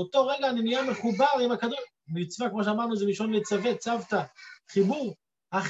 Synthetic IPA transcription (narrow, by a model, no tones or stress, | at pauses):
ot̪o̞ʁeɡlanenijameχubaʁimakad̪u | mit͡svakmoʃ̬eamaʁnuzɛiʃonlet͡savet͡savt̪aχibuʁ | aχ